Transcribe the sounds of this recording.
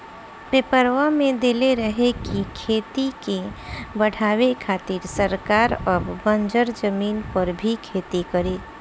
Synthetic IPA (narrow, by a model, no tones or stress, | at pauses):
pepəɾʋamẽd̪eːleɾəɦekikʰeːt̪ikebəɽ̤aːwekʰaːt̪iɾsəɾkaːɾəːbːə̃nd͡ʒəɾd͡ʒəmiːnpəɾbʱikʰeːt̪ikəɾeː